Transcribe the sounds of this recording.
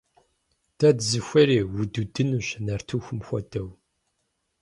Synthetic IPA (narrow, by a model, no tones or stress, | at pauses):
d̥ɐdzɨxʷɐɾeːwududɨnuɕnɐrtʰuxʷʊmxʷɔ̰dɐw